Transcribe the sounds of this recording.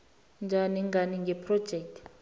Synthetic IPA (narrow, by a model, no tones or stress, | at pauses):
nd͡ʒʱaniŋɡaniŋɡʱɛpʰrɔ̥d͡ʒʱɛk̚tʰ